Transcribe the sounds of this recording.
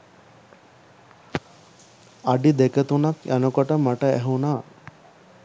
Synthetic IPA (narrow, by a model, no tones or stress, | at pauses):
aɖid̪ekət̪unakanukoʈəmaʈəæ̰ɦunaː